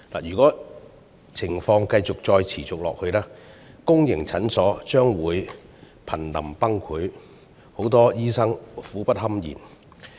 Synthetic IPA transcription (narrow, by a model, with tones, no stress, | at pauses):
la̰ː˨jyː˨˩kɔː˨˥ | t͡sʰɪ˨˩ŋfɔː˧ŋkɐ˧jt͡sʊ˨k̚t͡sɔː˧jt͡sʰiː˨˩t͡sʊ˨k̚lɔ̰ː˨k̚hɵ˧ɥlaː˥kʊ˥ŋjɪ˨˩ŋt͡sʰɐ˨˥nsɔː˨˥t͡ʃœː˥ŋwuː˨˧j | pʰɐ˨˩nlɐ̰˨˩mpɐ˥ŋkʰuː˨˥j | ho˨˥wt̪ɔː˥jiː˥sɐ˥ŋfuː˨˥pɐ˥t̚hɐ˥mjḭː˨˩n